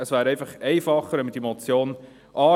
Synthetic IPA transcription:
əsʋæːɾɛɪfɑχɛɪfɑχəɾɛməd̥imot͡sjoːn | ʔɑː

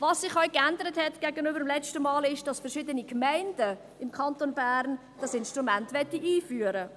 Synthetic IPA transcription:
vɑsːɪχɔʏkændəɾəthɛtɡ̥æɡənybəɾəmlɛt͡ʃtəmɑːlɪʃd̥ɑsfəɾʃɪdənikmæɪndə | ɪmkʰɑntonbæːɾn | d̥ɑsɪnʃtʁumæntʋɛtːiʔiːfyːəɾə

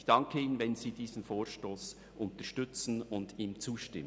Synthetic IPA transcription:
çd̥ɑŋkʰəiːnənvɛnziːdiːzn̩foːʃtoːs | ʔʊntəʃtʏt͡sn̩ʊndiːmt͡suːʃtɪmə

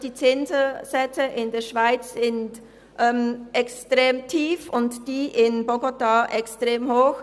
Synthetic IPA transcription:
d̥iːt͡sɪnzəzɛt͡səʔɪndeːɐʃv̥aɪt͡sz̥ɪnt | ʔɛmʔɛkstʁ̥eːmtʰiːfʊntd̥iːʔɪnboɡotaʔɛkstʁ̥eːmhoːx

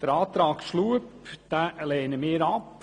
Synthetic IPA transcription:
d̥əɾɑːt̪ɾɑːkʃluəpd̪̥æleːnəmɪːɾɑp

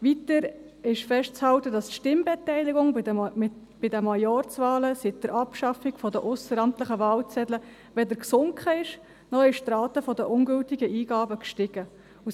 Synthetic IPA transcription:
vitəɾ | ɪʃfɛʃtt͡shɑltədɑstʃtɪmbɛtɛɪlɪɡʊŋ | b̥ɪdəmɑjɔɾt͡svɑːləsid̥əɾʔɑpʃɑfɪɡ̥fɔdəʔʊsəɾɑmtləχəvɑːlt͡sɛdlə | ʋɛdəɾksʊŋkχəɪʃ | nɔχɪʃt̪rɑːtəfɔdəʔʊŋɡʏltɪɡəʔiːɡ̥ɑːbəkʃtɪɡ̥ə | u

